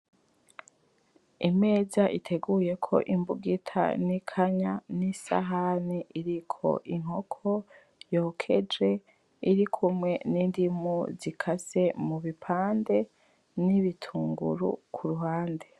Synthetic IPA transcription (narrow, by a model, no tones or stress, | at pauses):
ime̞ːzaʔitʰe̞ɡuːje̞kʰo̞̰ʔimbuɡitʰa̰nikʰaɲanisa̰ɦaniʔiɾikʰo̞̰ʔiŋo̞kʰo̞ | jo̞ːkʰe̞d͡ʒe̞ | iɾikʰumŋe̞niːndimuzikʰase̞muβipʰaːnde̞ | niβitʰuːŋɡṵɾṵkʰuɾuɦaːnde̞